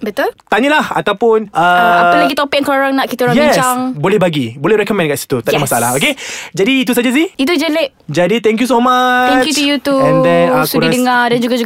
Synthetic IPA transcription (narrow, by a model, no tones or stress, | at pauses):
bət̪ult̪aɲəlaha̰t̪awpʊnəaalaɡit̪opɪk̚ŋkaoɾaŋnaʔkit̪aoɾaŋjɛiɲt͡ʃsaŋbolɛhbaɡibolɛhɾɛkɔmɛnkaʔsi̥t̪ut̪adamasaala̰hoked͡ʒadiːt̪us̬ad͡ʒas̬iit̪̬ud͡ʒəleʔ | d͡ʒadit̪ɛ̃ŋk̬jus̬omaɛ̃ŋt͡ʃkjut̪ujut̪uɛ̃nd̪ɛnasuɾidəŋadand͡ʒuɡad͡ʒu